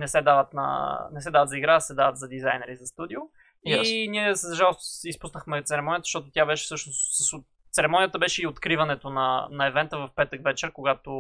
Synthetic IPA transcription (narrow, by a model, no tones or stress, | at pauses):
nɛsɛd̪avət̪nɐ̰nɛsɛd̪avət̪zɐiɡɾasɛd̪avət̪zɐd̪izajnɛɾizɐst̪ud̪iʊ | iniɛszʒalˠost̪ʊsispusnəxmɛt̪sɛɾɛmɔnijət̪ʃt̪ɔt̪ʊt̪ʲjabɛʃɛ̥sɤʃnossəso | t̪sɛɾɛmɔnijət̪əbɛʃɛiot̪kɾivɐnɛt̪onɐnɐɛvɛnt̪əvɐfpɛt̪əkvɛt͡ʃɛɾkoɡat̪o